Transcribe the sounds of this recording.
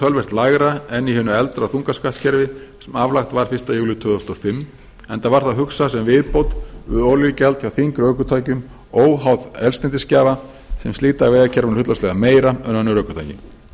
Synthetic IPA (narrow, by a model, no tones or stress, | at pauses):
t̪ʰœlvɛr̥t̪laɣɾaɛnihʏnːʏɛlt̪ɾaθuŋkaskat̪cʰɛɾvɪsɛmavlaxt̪vaɾ̥fɪr̥st̪ajuːlʏt̪ʰʏːðɔst̪ɔfɪmː | ɛnt̪avaɾ̥θaɦʏksasɛmvɪðpowt̪ʏðoljʏcɛlt̪çawθiŋkɾʏœːɥkʏt̪ʰaːjcʏm | owɦawðɛlst̪ɛnt̪ɪscaːva | sɛmst̪iːt̪aːvɛːðacʰɛɾvanhʏt̪lɔslɛɣameːjɾaœnanːʏɾœɥkʏt̪ʰajcɪ̰m